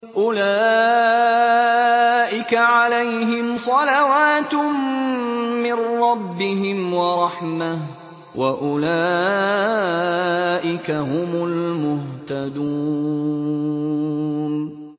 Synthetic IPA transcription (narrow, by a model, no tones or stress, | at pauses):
ʔʊlaː | ʔɪkaʕalajɦɪmsˤɑlawaːt̪ | mɪnːɑbːɪɦɪmwɑɾˤɑħmah | wʔaʔʊla | ʔɪkaɦʊmʊlmʊht̪ad̪u | n